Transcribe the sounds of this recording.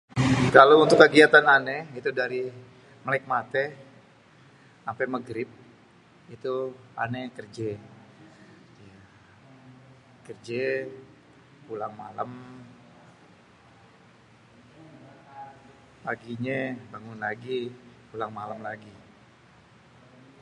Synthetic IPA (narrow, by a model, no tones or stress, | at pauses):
kalaunt̪ʊkːəɡiat̪ananɛit̪udaɾi | məlaɪk̚mat̪ɛ | ampɛməɡɾɪp̚ | it̪ua̰nɛkərd͡ʒɛ | ja | kərd͡ʒɛ | pulaŋmalam | paɡiɲɛbaŋʊnlaɡipulaŋmalamlaɡi